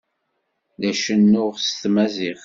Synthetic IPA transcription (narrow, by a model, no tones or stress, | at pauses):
ðæʃənːʊʁst̪mæziʁ